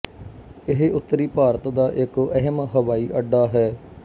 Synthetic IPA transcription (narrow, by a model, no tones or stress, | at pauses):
ɪɦʊt̪ːəɾiːpaːɾət̪d̪aːʔɪkəɦəmɦəʋaːiːʔəɖːaːɦɛː